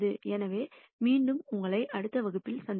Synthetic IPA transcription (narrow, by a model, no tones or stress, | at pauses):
ðɯɛnɐʋeː | miːɳɖɯmʊŋɡɐɭɐɪʔɐɽɯt̪ːɐʋɐɣɯpːɪlsɐnd